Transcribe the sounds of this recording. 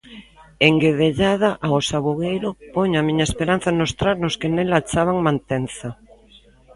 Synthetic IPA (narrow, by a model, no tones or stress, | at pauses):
eŋɡeðeʎað̞aʔaosaβuɣejɾʊpoɲamiɲaespeɾan̟θanost̪ɾaɾnoskenelat͡ʃaβaŋmãnt̪enθa